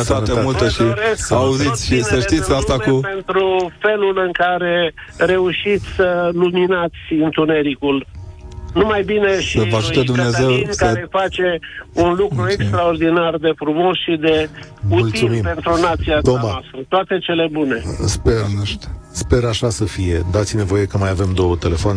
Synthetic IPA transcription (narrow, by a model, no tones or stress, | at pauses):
t̪at̪emult̪eʃiɾeskauzit̪sʲʃisəʃt̪it̪sʲast̪akupe̞nt̪ɾufe̞lulɨŋkaɾe̞ | re̞uʃit̪sʲsəluminat̪sʲɨnt̪une̞ɾikul | numajbine̞ʃiəvaʒut̪əd̪umnezewimkaejfat͡ʃe̞unlukɾue̞kst̪ɾao̞rd̪inard̪e̞fɾumo̞sʃid̪e̞uult̪iulmimpe̞nt̪ɾunat̪sijaomaast̪ɾət̪oat̪e̞t͡ʃe̞le̞bune̞spe | spe̞ɾaʃasəfije̞d̪at̪sʲine̞vo̞je̞kəmajave̞md̪o̞wət̪e̞le̞foan